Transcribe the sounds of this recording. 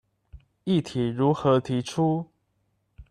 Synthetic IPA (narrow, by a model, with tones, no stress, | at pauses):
i˥˨t̪ʰi˨˦ɻu˨˦xɤ˨˦t̪ʰi˨˦ʈ͡ʂʰu˦